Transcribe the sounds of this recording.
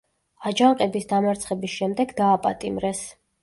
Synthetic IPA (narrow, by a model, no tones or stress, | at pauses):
ad͡ʒaɴqʼɛbisd̪amaɾt̪sʰχɛbisʃɛmd̪ɛɡd̪aːpʼa̰t̪ʼimɾɛs